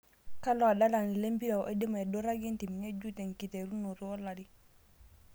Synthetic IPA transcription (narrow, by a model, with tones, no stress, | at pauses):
ka˦lo˦a˨da˦la˨ni˨le˦mbi˦ɾa˨ʔe˦di˦ma˨e˨do˦ɾa˦ɡe˦nti˨mi˨ɲe˦ɟu˦te˨ŋki˨te˨ɾu˦nu˨ɾu˦ɔ˦la˨di˦